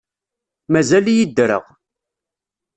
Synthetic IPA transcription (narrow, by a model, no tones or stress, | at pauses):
mæzæljid̪ɾə̰ʁ